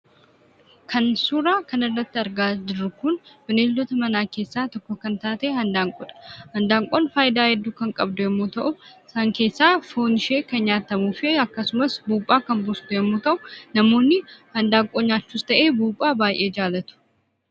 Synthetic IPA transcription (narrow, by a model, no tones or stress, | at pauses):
kʰɐnsuːɾaːkɐnɪrːɐt̪ːɪɐɾɡaːd͡ʒɪɾːʊkʊnb̥ɪneːlːɔt̪ɐmɐnaːke̞ːsːaːt̪ɔkːɔkɐnt̪aːt̪eːhɐnd̪aːŋkʼɔᶑɐ̥hɐnd̪aːŋkʼonfaːjɪd̪aːhɛd̪ːuːkɐŋkʼɐbd̪ʊjɛmːoːt̪ɐʔʊɪsaːŋke̞ːsːaːfo̞ːnɪʃeːkɐnɲaːt̪ɐmuːfɪɐkːɐsʊmɐsbuːpʼːaːkɐmbʊst̪ʊjɛmːoːt̪ɐʔʊnɐmo̞ːnːɪhɐnd̪aːŋkʼoːɲaːt͡ʃːuːst̪ɐʔe̞ːbuːpʼːaːbaːjʔeːd͡ʒaːlɐt̪ʊ̥